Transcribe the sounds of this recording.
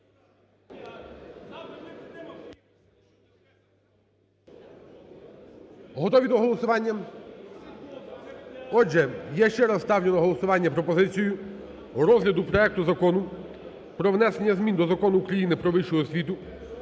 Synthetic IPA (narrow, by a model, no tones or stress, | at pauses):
ɦɔt̪ɔʋʲid̪ɔɦɔlˠɔsʊʋɑnʲːɐ | ɔd͡ʒɛjɛʃt͡ʃɛɾɐsst̪ɑwlʲenɔɦɔlˠɔsʊʋɑnʲːɐpɾɔpɔzɪt͡sʲijʊ | ɾɔzɦlʲɐd̪ʊpɾɔɛk̚t̪ʊzɐkɔnʊ | pɾɔʋnɛsenʲːɐzmʲind̪ɔzɐkɔnʊːkɾɐjinɪpɾɔʋɪʃʊɔsʲʋʲit̪ʊ